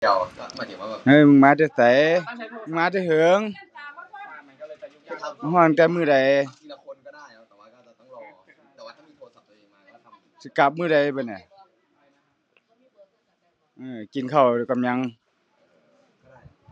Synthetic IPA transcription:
ʔɯː˧˩mɯ˧˩ŋmaː˧˥˧t̪ɛ˧˩t̪a˨˦jmɯ˧˨ŋmaː˧˥t̪̬a˧˩ɦɯː˨˦ŋ˧ | hɔː˧˩˨n˨˧t̪ɛː˧˩mɯː˧˩˨da˨˦j | si˧˦ka˧˦p̚mɯː˧˥˩da˨˩jba˧˩˨na˨˩˨ | ʔɯː˧˩ki˨nkʰa˨˩wdɛ˧˩˨ka˨mɲa˧˥ŋ

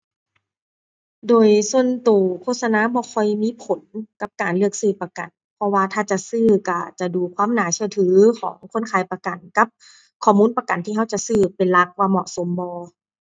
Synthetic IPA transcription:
doː˨jsu˧˨ənt̪uː˨˩kʰoː˧˨t̪̚sa˧naː˧˥˨bɔː˧˦kʰɔ˧˩jmiː˧˥˨pʰo˨˦nka˧p̚kaː˨˩nlɯ˧ək̚sɯː˧˩pa˧ka̰˨˩n | pʰɔ˧˥waː˧t̪ʰaː˧t͡ɕa˧˨sɯː˧˩ka˧˩t͡ɕa˨˩duː˨kʰwaː˧˥˨mnaː˨˦t͡ɕʰi˧t̪ʰɯː˩˦kʰɔ̰ː˩˦ŋkʰo˧˥˨nkʰaː˨˩jpa˧ka˨˩nka˧˦p̚ | kʰɔː˧˩muː˧˥˨npa˧ka˨˩nt̪ʰiː˧˨a˧˥˩wt͡ɕa˧˨sɯː˧˩pe˨nla˧k̚waː˧mɔ˧ʔso˨˦mbɔː˧

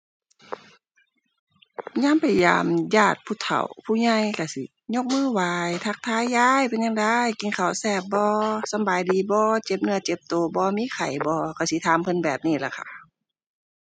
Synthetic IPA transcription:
ɲaː˧˥˨mpa˨˩jja̰ː˨mjaː˧˩t̪̚pʰuː˧˨t̪ʰa̰˨˩wpʰuː˧˩˨ɲa˧jka˧˩si˨˦ | ɲo˧k̚mɯː˧˥˨waː˨˧jt̪ʰa˧˩k̚t̪ʰaː˧˥˨jːaː˧˩jpe˨nɲaː˧ŋda˧jki˨˦nkʰa˨˩wsɛː˧˩p̚bɔː˧˦sa˧mbaː˨jdiː˨˦bɔː˧˦t͡ɕe˧˦p̚nɯ˧˨ɐt͡ɕe˧˦p̚t̪oː˨˦bɔː˧˦miː˧˥˨kʰa˨˩jbɔː˧˦kʰa˧˩wsi˧˦t̪ʰaː˨˦mpʰɤ˧˥˨nbɛː˨˩p̚niː˧˩la̰˧kʰa˧˩

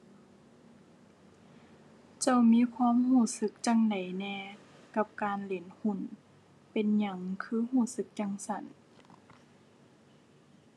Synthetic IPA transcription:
t͡ɕa˧˩˨wmiː˧˥˨kʰwaː˧˥˨mhuː˧˩sɯ˧˦k̚t͡ɕa˧˥ŋda˨jnɛː˧˩ka˧p̚kaː˨nle˨˦nhu˧˥˩n | pe˨nɲa˧˩ŋkʰɯː˧˥˦ɦuː˧˩sɯ˧˦k̚t͡ɕa˧˥˨ŋsa˧˩˨n

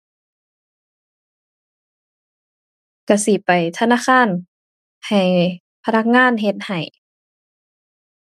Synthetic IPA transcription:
ka˧˩si˧˦pa˨˩jt̪ʰa˧naː˧˥˨xʰaː˧˥˨n | ha˨˩j | pʰa˧na˧˥k̚ŋaː˧˥˨nɦe˧t̪̚ha˨˩j

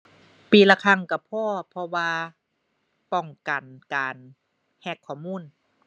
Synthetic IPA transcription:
piː˨˩la˧˩kʰa˧˨ŋka˧˩pʰɔː˧˩pʰɔ˧waː˧ | pɔ˧˩ŋka˨˩nkaː˨˩n | hɛ˧˩kʰːɔː˧˩muː˧˥˨n

